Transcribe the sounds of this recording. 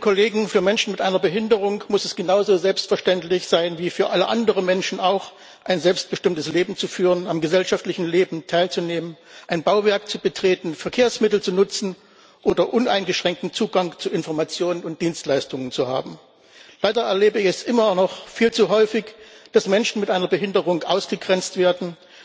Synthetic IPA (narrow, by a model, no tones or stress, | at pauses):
kʰoleːɡŋ̩fyːɐmɛnʃn̩mɪtʔaɪnɐbəɦɪndəʁ̞ʊŋmʊsɛsɡ̥ənaʊzoːzɛlpstfɛɐʃtɛntlɪçz̥aɪnviːfyːɐʔaləʔandəʁ̞ənmɛnʃn̩aʊx | ʔaɪnzɛlpst̚b̥əʃtɪmtəsleːbm̩t͡sufyːʁənamɡəzɛlʃaftlɪçn̩leːbm̩tʰaɪlt͡suneːmənʔaɪnbaʊvɛɐkt͡subətʁ̥eːtn̩fɛɐkʰeːɐsmɪtl̩t͡sunʊt͡sn̩ | ʔoːdɐʔʊna̰ɪnɡəʃʁ̥ɛŋk̚tn̩t͡suːɡaŋt͡suɪnfɔɐmat͡sjoːnənʊnt̚d̥iːnstlaɪstʊŋənt͡suha̰ːbm̩ | laɪdɐɛɐleːbəɪçɛsʔɪmɐnɔχfiːlt͡suɦɔʏfɪçd̥asmɛnʃn̩mɪtʔaɪnɐbəɦɪndəʁʊŋʔa̰ʊsɡ̥əɡʁɛnt͡stv̥eːɐdn̩